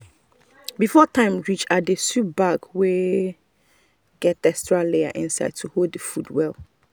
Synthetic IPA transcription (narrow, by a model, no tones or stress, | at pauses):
bifɔtʰãɪ̃mɹit͡ʃadesup̚baɡwe | ɡɛt̚dɛstɹalea̰ʔĩnsa̰ɪd̚tʰuhoddəfudwɛlˠ